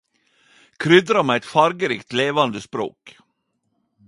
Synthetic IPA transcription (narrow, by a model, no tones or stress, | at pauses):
kʰɾʏd̪ɾamɛɛt̪faɾɡəɾɪːkt̪leːvand̪əspɾo̰ːk